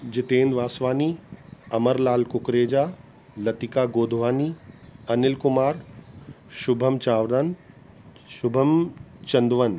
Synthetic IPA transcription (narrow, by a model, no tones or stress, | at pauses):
d͡ʑɪt̪ẽːnd̪ʋaːsʋaːniɐməɾlaːlkʊkɾeːd͡ʑaː | lɐt̪ikaːɡoːd̪ʱʋaːniːɐnɪlkʊmaːɾ | ʃʊbʱəmt͡ɕaːʋd̪ən | ʃʊbʱəmt͡ɕɐ̃nd̪ʋən